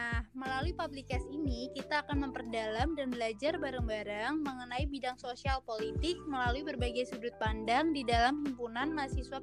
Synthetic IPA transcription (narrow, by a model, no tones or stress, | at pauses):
nahməlaluipablikasinikit̪aːkanməmpərdalamdanbəlad͡ʒarbaɾaŋbaɾaŋməŋənaibidaŋsosialpolit̪ɪk̚məlaluibərbaɡajsudʊt̪̚pandaŋdidalamhimpunanmasihsuwa